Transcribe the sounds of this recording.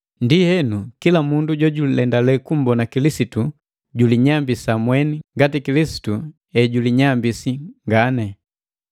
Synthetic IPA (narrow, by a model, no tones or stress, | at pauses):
ndihɛnukilamunduɟɔɟulɛndalɛkum̩bɔnakilisitu | ɟuliɲambisamwɛniŋɡatikilisi̥tu | ɛɟuliɲambisiŋɡanɛ